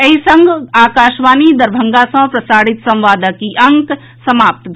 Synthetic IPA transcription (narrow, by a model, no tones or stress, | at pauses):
ɐɦisə̃ŋɡaːkaːʃʋaːnid̪ɐɾbʱəŋɡasɐ̃pɾɐsaːɽit̪sɐ̃mʋaːd̪əkiʔɐŋk | sɐmaːp̚t̪d̪ʱ